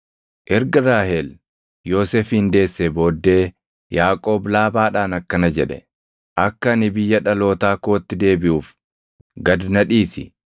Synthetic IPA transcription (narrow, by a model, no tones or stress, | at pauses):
ʔɛɾɡɐɾaːhel | jo̞ːseːfhɪnd̪e̞ːsːebo̞ːd̪ːe̞ː | jaːkʼo̞ːblaːbaːᶑaːnɐkːɐnɐd͡ʒɛᶑɛ | ʔɐkːɐɐnɪbɪjːɐᶑɐlo̞ːt̪aːkoːt̪ːɪd̪e̞ːbɪʔuːf | ɡɐd̪nɐᶑiːsɪ̰